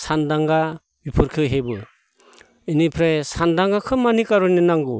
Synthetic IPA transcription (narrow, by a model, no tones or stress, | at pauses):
sandaŋɡa | bipʰɯɾkʰɯɦebɯ | ɯnipʰɾesandaŋɡakʰɯmːanikaɾunenaŋɡu